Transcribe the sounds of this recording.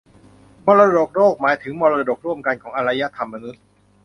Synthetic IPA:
mɔː˧ɾa˧do˨˩k̚ɾoː˥˩k̚maː˩˦jt̪ʰɯ˩˦ŋmɔː˧ɾa˧do˨˩k̚ɾu˥˩əmka˧nkʰɔː˩˦ŋʔa˧ɾa˧jːa˦˥t̪ʰa˧mːa˧nu˦˥t̪̚

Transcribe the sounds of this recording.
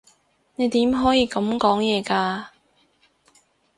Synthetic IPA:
ne˨˧jt̪iː˨˥mɦɔː˨˥jiː˨˧kɐ˨˥mkɔː˨˥ŋjɛː˨˧kaː˧

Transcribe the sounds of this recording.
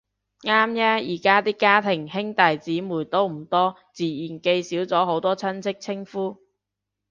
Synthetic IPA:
ŋaː˥mjaː˥jiː˨˩kaː˥t̪iː˥kːaː˥t̪ʰɪ˨˩ŋhɪ˥ŋt̪ɐ˨jt͡siː˨˥muː˨˩jt̪o˥wm̩˨˩t̪ɔː˥ | t͡siː˨˩jiː˨˩nke˧jsiː˨˥wt͡sɔː˨˥ɦo˨˥wt̪ɔː˥t͡sʰɐ˥nt͡sʰɪ˥k̚t͡sʰɪ˥ŋfuː˥

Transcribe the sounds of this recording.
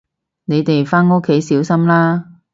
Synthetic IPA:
ne˨˧jt̪e˨jfaː˥nŋo˥kʰːe˨˥jsiː˨˥wsɐ˥mlaː˥

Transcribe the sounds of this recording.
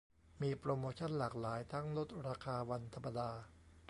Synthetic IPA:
miː˧pɾoː˧moː˧t͡ɕʰo˥˨nlaː˨˩k̚laː˩˦jt̪ʰaː˦˥˩ŋlo˦˥t̪̚ɾaː˧kʰaː˧wa˧nt̪ʰa˧mːa˧daː˧

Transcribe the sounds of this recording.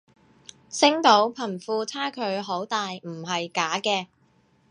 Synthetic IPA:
sɪ˥ŋt̪o˨˥wpʰɐ˨˩nfuː˧t͡sʰaː˥kʰɵ˨˧ɥɦo˨˥wt̪aː˨jm̩˨˩ɦɐ˨jkaː˨˥kɛː˧

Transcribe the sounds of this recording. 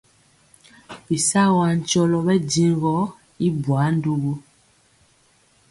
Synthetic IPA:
bi˨sa˦wa˨n˨t͡ʃɔ˦lɔ˨bɛ˦di˨ŋ˦ɡɔ˦ | i˦bwa˨˦n˦du˦ɣu˦

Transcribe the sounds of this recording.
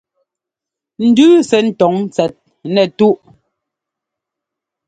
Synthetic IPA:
n̩˨dʉː˦sɛ˨n̩˨tɔ˨˦ŋ˦t͡sɛ˨t̚ | nɛ˨tu˦ʔ

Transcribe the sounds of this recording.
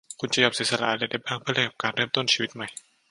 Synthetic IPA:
kʰu˧nt͡ɕa˨˧˦jo˧˩psi˨˦sa˧la̰˧ʔa˧lɛ˧˩da˥˩j̚baː˥˩ŋpʰɯ˥˩˨li˥˩ka˨˩p̚kaː˧nɾɤː˥˩mt̪o˥˩nt͡ɕʰiː˧wi˦˥t̪̚ma˧˩j

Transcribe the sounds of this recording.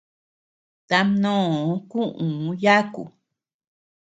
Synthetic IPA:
t̪a˧mnõː˦˨˦kũ˦ʔũ˨˦ja˦kṵ˨

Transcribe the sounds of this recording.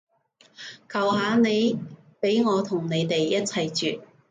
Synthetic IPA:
kʰɐ˨˩whaː˨˧ne˨˧jpe˨˥jŋɔː˨˧t̪ʰʊ˨˩ŋne˨˧jt̪e˨jːɐ˥t̚t͡sʰɐ˨jt͡ʃyː˨t̚

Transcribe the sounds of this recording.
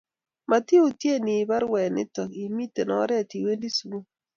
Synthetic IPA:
ma˨ti˦o˨tje˦˨nɪ˨ba˦ɾwɛ˨nɪ̰˦tɔ˨ki˨mi˦te˨nɔ˨˦ɾɛ˦˨ti˨we˦ndi˦su˨˦o˦

